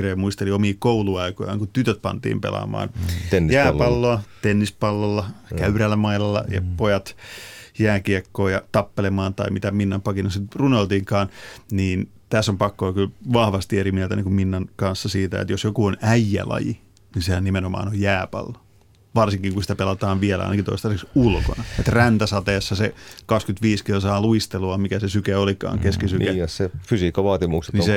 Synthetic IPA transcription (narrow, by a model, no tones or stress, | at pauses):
reːmuist̪eliomiːkouluɑikojɑ̰ŋkut̪yt̪øt̪̚pɑ̰nt̪ḭːmpḛlɑ̰ːmɑ̰ːnjæːpɑlːoɑt̪enːispɑlːolːɑkæyrælːæmɑilɑlːɑ̰jɑ̰pojɑt̪jæːkiɑkːoːjɑt̪ɑpːelemɑːnt̪ɑ̰imit̪æminːɑmpɑkinɑsit̪runolt̪iːŋkɑːnniːn | t̪æsːompɑkːoːkylʋɑhʋɑst̪ieɾimielt̪æniːŋkumminːɑnkɑnsːɑsiːt̪æ̰ḛt̪josjokuonæijːæ̰lɑ̰jḭ | nisehænnimenomɑ̰ːnojjæːpɑ̰lːɑ̥ | ʋɑrsiŋkiŋkunsit̪æpelɑt̪ɑːʋʋiɛlæɑ̰inɑkint̪o̰ist̪ɑseksulko̰nɑet̪rænt̪æsɑt̪eːsːɑsekɑkskyt̪ʋiːskilsɑːluist̪eluɑmikæsesykeolikɑ̰ːŋkeskisynkæssefysiːkːɑʋɑːt̪imuksenise